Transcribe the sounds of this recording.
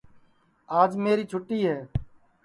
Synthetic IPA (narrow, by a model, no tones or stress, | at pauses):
aːd͡ʒmeːɾiːt͡ʃʰʊʈːiːɦɛː